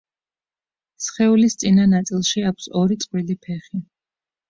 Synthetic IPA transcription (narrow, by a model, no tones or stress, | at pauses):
sχɛulist̪sʼinanat̪sʼilˠʃiakʷʰsɔɾit̪sʼqʼwilipʰɛχi